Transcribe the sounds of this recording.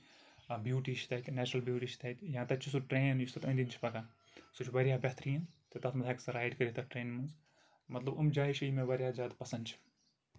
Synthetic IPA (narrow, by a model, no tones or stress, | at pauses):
ɐbjuːʈiːt͡ʃʰi̥t̪ɐjt̪ʲnɛːt͡ʃɾɐlbjuːʈiːt͡ʃʰi̥t̪ʰɐit̪ʲjãːt̪ɐt͡ʃʰisuʈɾeːnjust̪ʰɐt̪ə̃ːnd̪int͡ʃʰi̥pɐkan | sut͡ʃʰʋɐɾjaːbʲɐt̪ɾiɐnt̪ɨt̪ɐt̪ʰmɐd̪ʰaːksɐɾaːjɖkəɾit̪ɐʈɾeːnmɨnz | mɐt̪lɐbɐmd͡ʒaːiʃiimẽʋɐɾʲjaːzʲjaːd̪pɐsɐnd̪t͡ʃʰi̥